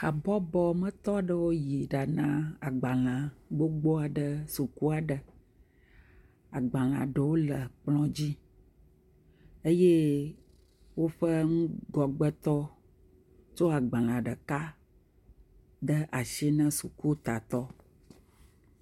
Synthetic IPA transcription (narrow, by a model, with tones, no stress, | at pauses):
a˨bɔ˦bɔ˦mə̃˦t̪ɔ˦ɖə˦wo˦ji˨ɖa˨nã˦a˨ɡ͡ba˨lã˨ɡ͡bo˦ɡ͡bo˦a˨ɖə˨su˨ku˦a˨ɖə˨ | a˨ɡ͡bã˨lã̰˨ɖə˨wo˦lə˨k͡plɔ̃˦d͡ʑi˦ | e˦je˦ | wo˦ɸə˦ŋũ˦ɡɔ˨ɡ͡bə˦t̪ɔ˦ | t͡ʃo˦a˨ɡ͡bã˨l̃ã˨ɖə˨ka˦ | d̪ə˦ʔa˨ʃi˦nə̃˦su˨ku˦t̪a˨t̪ɔ˦